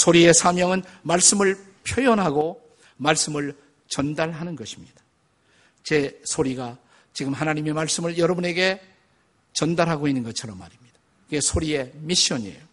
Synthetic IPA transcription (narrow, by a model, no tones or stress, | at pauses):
sʰoɾie̞sʰamjʌŋɯnmaɭs͈ɯmɯɭ | pʰjojʌnɦaɡo | maɭs͈ɯmɯɭ | t͡ɕʌndaɭɦanɯnɡʌɕʰi̥mɲid̥ḁ | t͡ɕe̞sʰoɾiɡa | t͡ɕiɡɯmɦanaɲime̞maɭs͈ɯmɯɭjʌɾʌbune̞ɡe̞ | t͡ɕʌndaɾɦaɡoinːɯnɡʌt͡ɕʰʌɾʌmːa̰ɾimɲid̥ḁ | kɯɡe̞sʰoɾie̞miɕʌnḛjo